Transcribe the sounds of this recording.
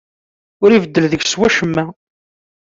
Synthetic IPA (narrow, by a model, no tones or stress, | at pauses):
ʊɾivəd̪ːəlðəɡswæʃəmːæ